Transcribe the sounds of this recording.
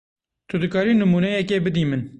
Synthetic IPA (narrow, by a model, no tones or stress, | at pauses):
t̪ʰʊd̪ɨkɑːɾiːnɨmuːnɛjɛkeːbɨd̪iːmɨn